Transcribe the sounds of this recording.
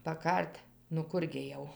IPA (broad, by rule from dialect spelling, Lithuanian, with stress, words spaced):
pɐˈkɐrʲtʲ nʊ ˈkʊr ɡʲɪ jɛʊ